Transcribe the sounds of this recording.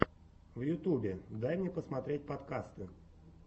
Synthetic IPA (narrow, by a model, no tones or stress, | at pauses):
vjʊt̪ubʲɪd̪ajmnʲepəsmɐt̪ɾʲet̚ʲpɐt̪kast̪ɨ